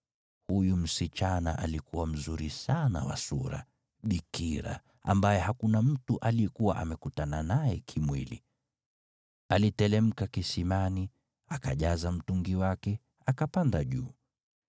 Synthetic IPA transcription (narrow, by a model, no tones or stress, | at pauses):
hujum̩sit͡ʃana̰ʔalikuwam̩zuɾisana̰wa̰suɾa̰ | ɓikiɾa̰ | a̰mbajɛhakunam̩tuʔalijɛkuwa̰ʔamɛkutananajɛkʰimwilḭ | alitɛlɛm̩kakisimani | akaʄazam̩tuŋɡiwakɛ | akapandaʄṵː